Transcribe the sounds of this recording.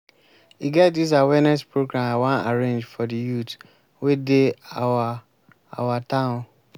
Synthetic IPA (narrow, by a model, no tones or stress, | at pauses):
iɡɛt̚dis̬awɛnɛspɹoɡɹãmawãna̰ɹẽnd͡ʒfɔdijut | wedeawa | a̰watãʊ̃n